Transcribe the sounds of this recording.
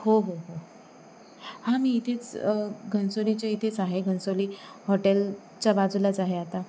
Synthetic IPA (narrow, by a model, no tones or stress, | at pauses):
hoɦoɦo | hãmiːt̪ʰet͡sɡʱənsolit͡ɕeit̪ʰet͡saɦeɡʱənsoliːhoʈel | t͡ɕabad͡zulat͡saɦeat̪a